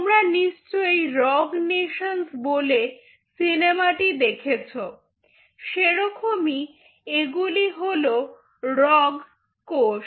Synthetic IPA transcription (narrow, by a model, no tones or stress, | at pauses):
mɾaniʃt͡ɕoejɾɔɡneʃonsbole | sinemaʈid̪ekʰet͡ɕʰo | ʃeɾɔkʰomi | eɡuliɦolo | ɾɔɡ | koʃ